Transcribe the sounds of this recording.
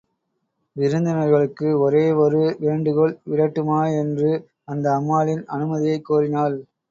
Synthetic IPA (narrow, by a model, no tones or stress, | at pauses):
ʋɪɾɯnd̪ɪnɐɾɣɐɭɯkːɯɔɾeːɔɾɯʋeːɳɖɯɣɔɭʋɪɽɐʈːɯmaːɛndrɯ | ɐnd̪ɐːmːaːlɪnɐ̰nɯmɐðɪjɐɪkːuːrɪnaːl